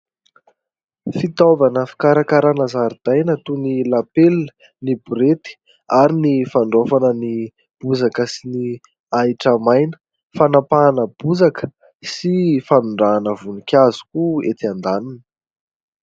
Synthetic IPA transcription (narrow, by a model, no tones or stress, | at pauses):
fit̪ovanəfi̥kaɾakaɾanazaɾid̪̥ajnət̪unilapel | nibuɾet̪i̥ | aɾinifaɳɖ͡ʐofanəni | b̥uzakəsini | aiʈ͡ʂamajnə̥ | fanapaːnəb̥uzakə̥ | sifanuɳɖ͡ʐaːnəvunikʲazu̥kuet̪iand̪aninə